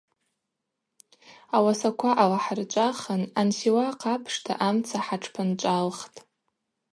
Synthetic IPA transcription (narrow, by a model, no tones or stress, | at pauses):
awasakʷʰaʔalaħart͡ʃʷʼaχənansiwaqapʰʂtʰa̰ʔamt͡sʰaħaʈ͡ʂʰpʰɨnt͡ʃʷʼalχtʼ